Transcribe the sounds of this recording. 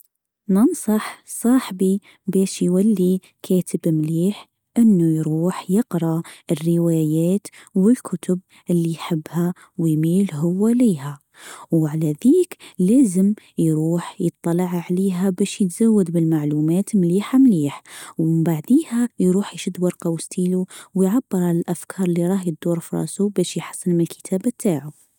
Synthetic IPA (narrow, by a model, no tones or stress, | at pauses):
nɑnsˤɑħsˤɑːħbi | bæːʃjwalːi | kʰæːt̪ɪbmliːħ | ʔɪnːujɾuːħjɪqɾɑʔɪrːɪwaːjaːt̪wɪlkʰʊt̪ʊb̚ | ʔɪlːijħɪbːha | wɪjmiːlɦʊwːaliːha | wʕalaðiːklæːzəm | jɾuːħjət̪ˤːɑlɑʕʕaliːɦæbæːʃjət̪z̥awːad̪bɪlmaʕluːmæːt̪mliːħamliːħwbaʕd̪iːhæjɾuːħjʃʊd̪ːwɑɾˤqɑwst̪iːluwjʕabːəɾˤʕalalʔafkʰɑːɾˤɪlːiɾˤɑːhjəd̪ːuːɾˤfɾˤɑ̰ːsubæːʃjħɑ̥sˤːənmɪnəlkʰə̥t̪ʰæːbat̪ʰːaːʕu